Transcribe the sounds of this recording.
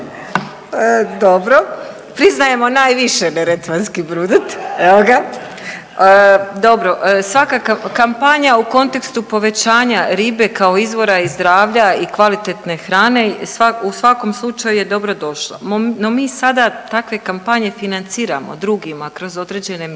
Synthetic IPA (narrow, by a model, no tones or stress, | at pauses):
d̪obɾo | pɾiznaje̞mo̞naːjʋiʃeneɾet̪ʋanskibɾuːd̪at̪eʋoɡa | əd̪o̞bɾo̞ʔsʋakakakampaɲauko̞nt̪e̞kst̪upo̞ʋe̞t͡ɕaːɲaɾiːbe̞kao̞izʋo̞ɾaizd̪ɾaːʋʎaikʋalit̪e̞t̪ne̞xɾaːne̞sausʋako̞mslˠut͡ʃajuje̞d̪o̞bɾo̞d̪o̞ʃlˠa̰mno̞miːsad̪at̪akʋe̞kampaɲe̞finant̪siːɾa̰mo̞̰d̪ɾuɡimakɾo̞zo̞d̪ɾe̞d͡ʑe̞ne̞m